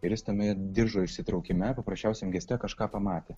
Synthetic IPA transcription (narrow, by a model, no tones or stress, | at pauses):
ɪɾjɪst̪ɐmʲɛd̪ʲɪɾʒoːɪʃʲsʲɪt̪ɾɒʊkʲɪmʲɛpɐpɾɐsʲt͡ʃʲɛʊsʲɛmɡʲɛsʲt̪ʲɛkɐʃkɑːpɐmɑːt̪ʲeː